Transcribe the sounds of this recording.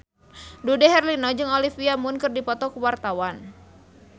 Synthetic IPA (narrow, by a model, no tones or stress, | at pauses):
dudɛɦɛrlinɔd͡ʒɨŋolifiamunkɨrdipɔt̪ɔkuwart̪awan